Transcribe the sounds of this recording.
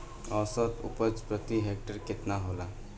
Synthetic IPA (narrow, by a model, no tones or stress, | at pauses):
ɔsət̪ṵpəd͡ʒpɾət̪iɦek̚ʈəɾket̪naɦola